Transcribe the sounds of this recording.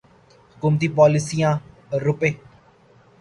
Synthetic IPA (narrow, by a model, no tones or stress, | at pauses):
hʊkuːmt̪iːpɔːlɪsijãː | ɾʊpeː